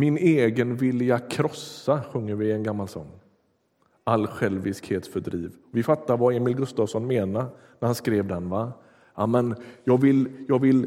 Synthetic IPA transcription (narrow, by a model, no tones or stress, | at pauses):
mɪneːɡənvɪljakʰɾɔsaɧɵŋːəɾvɪɛnɡamːalsɔ̰ŋː | alːɧɛlvɪskheːt̪sfœɖɾiːvɔvɪfat̪ːaɾvaeːmɪlɡɵst̪ɑːvsɔnmeːnaɾ | næɾhanskɾeːvd̪ɛnva | amɛnjɑːɡvɪljɑːɡvɪl